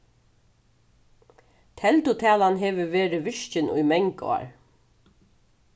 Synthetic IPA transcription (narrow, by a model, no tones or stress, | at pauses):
t̪ʰɛlt̪ʊt̪ʰæːlanɦeːʋəʋeːɾɪʋɪʂt͡ʃɪnṵjmɛŋkɔ̰a̰ɹ